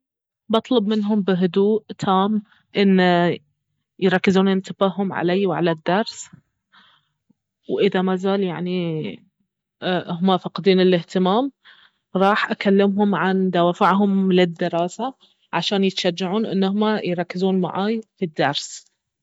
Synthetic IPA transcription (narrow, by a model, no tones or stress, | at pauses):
bɑt̪ˤlʊbmɪnɦʊmbɪɦʊd̪uːʔt̪ʰaːm | ʔɪnː | jɾˤɑkːɪzuːnɪnt̪ɪbaɦʊmʕa̰lajwʕa̰lad̪ːɑɾˤs | wʔɪðamazaːljaʕni | ɦʊmafɑqd̪iːnɪlɪht̪ɪmaːm | ɾˤɑːħʔakalːɪmɦʊmʕand̪awaːfaʕɦʊmlɪd̪ːɪɾɑːsa | ʕaʃaːnjɪt̪ʃad͡ʒːaʕuːnʔɪ̰nːʊhʊmajɾˤɑkːɪzuːnma̰ʕaːjfid̪ːɑɾˤs